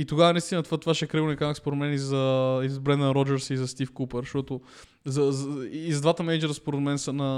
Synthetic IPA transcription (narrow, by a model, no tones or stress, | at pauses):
it̪oɡavɐnɐist̪inəɐt̪vat̪vaʃɛɛkɾiɡnikanɐkspoɾɛd̪mɛnizɐizbɾɛnd̪nɾɔd͡ʒɛɾsiːzɐst̪ifkupəɾʃt̪ɔt̪ʊ | zɐzːzɐd̪vat̪əmɛnd͡ʒɛɾəspoɾɛd̪mɛnsɐnɐ